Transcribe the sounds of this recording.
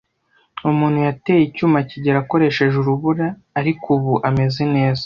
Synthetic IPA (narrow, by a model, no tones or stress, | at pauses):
umuːnhujate̞ːjicuːmaciɟeɾako̞ɾe̞ʃe̞ʒuɾuβuɾaː | ɾikuβuʔame̞zene̞ːzḁ